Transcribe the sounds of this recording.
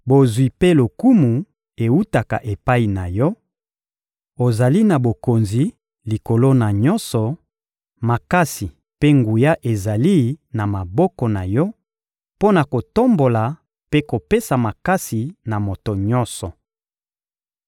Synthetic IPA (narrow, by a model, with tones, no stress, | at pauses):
bo˨zwi˨pe˦lo˨ku˦mu˨ | e˨wu˦ta˨ka̰˨ʔe˨pa˦i˨na˨jɔ˦ | o˨za˨li˦na˨bo˨ko˨nzi˨ | li˨ko˨lo˦na˨ɲɔ̃˦nsɔ˨ | ma˨ka˦si˨ | pe˦ŋɡu˨ja˦ʔe˨za˨li˦na˨ma˨bɔ˦kɔ˨na˨jɔ˦ | po˦na˨ko˨to˦mbo˨la˨ | pe˦ko˨pe˦sa˨ma˨ka˦si˨na˨mo˨to˨ɲɔ˦nsɔ˨